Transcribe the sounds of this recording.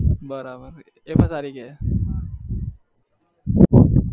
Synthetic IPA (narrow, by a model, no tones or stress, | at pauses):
bəɾabəɾ | epəsaːɾike